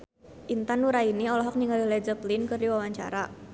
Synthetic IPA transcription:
ʔint̪anuɾainiɔlɔɦɔk̚niŋalilɛd͡ʒəplinkərdiwawaɲt͡ʃa̰ɾa

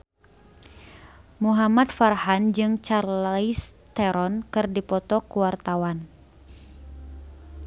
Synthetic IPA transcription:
muɦamat̪farhand͡ʒɨŋt͡ʃarlist̪ɛɾɔnkɨrdipɔt̪ɔkuwart̪awan

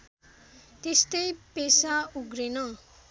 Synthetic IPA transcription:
t̪est̪ʌjpesauɡɾenʌ

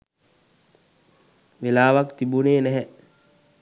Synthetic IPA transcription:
ʋelaːʋakt̪ibuneːnɛɦɛ

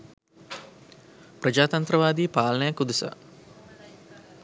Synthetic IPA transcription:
prəd͡ʒaːt̪ɐnt̪ɾəʋaːd̪iːpaːlɐnəjakːud̪isa̰

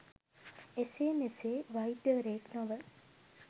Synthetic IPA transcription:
eseːmeseːʋɐid̪əʋɾeːknõʋə

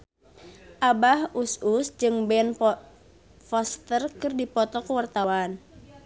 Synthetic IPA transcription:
ʔabahususd͡ʒɨŋbɛn | fɔst̪ərkɨrdipɔt̪ɔkuwart̪awan

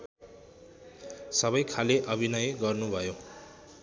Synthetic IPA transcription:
sʌβʌjkʰaleʔʌbʱinʌjɡʌrnubʱʌjo

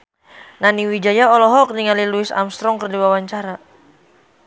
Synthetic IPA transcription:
naniwid͡ʒajaɔlɔɦɔk̚niŋaliluɪsa̰mst̪ɾɔŋkərdiwawaɲt͡ʃaɾa

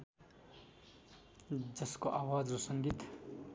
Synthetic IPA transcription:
d͡zʌskoʔaːwad͡zɾosʌŋɡit̪

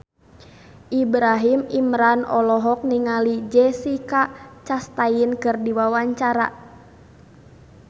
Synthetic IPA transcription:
ʔibɾaɦimimɾanɔlɔɦɔk̚niŋalid͡ʒɛsikat͡ʃast̪ainkɨrdiwawaɲt͡ʃaɾa̰

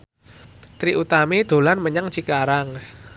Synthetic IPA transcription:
t̪ɾiʔut̪amid̪̥o̤lanməɲaŋt͡ʃikaɾaŋ

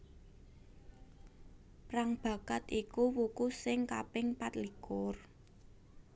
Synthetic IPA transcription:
praŋb̥ä̤kat̪ikuwukusɪŋkapɪŋpat̪likʊr

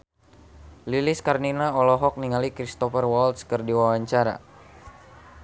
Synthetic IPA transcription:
liliskarninaɔlɔɦɔk̚niŋalikɾist̪ɔfərwɔlt̪skərdiwawaɲt͡ʃaɾa̰

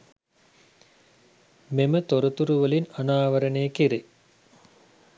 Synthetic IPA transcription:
memət̪oɾət̪uɾuʋəlinanaːʋəɾənejəkiɾe

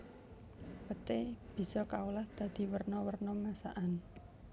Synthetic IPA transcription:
pət̪eb̥i̤sɔkawlahd̪̥ä̤d̪̥i̤wərnɔwərnɔmasa̰ʔan

